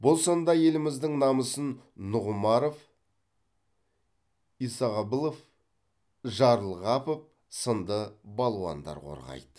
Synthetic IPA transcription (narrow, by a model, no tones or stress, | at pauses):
bolˠsɑnd̪ɑje̞lɪmɪzd̪ɪŋnɑməsənː | ʊʁʊmɑɾof | isɑʁɑbəlˠof | ʒɑɾəlˠʁɑpəp̚ | sənd̪əbɑlˠwɑ̰nd̪ɑ̰ɾqʰo̞̰ɾʁɑ̰jd̪ə̥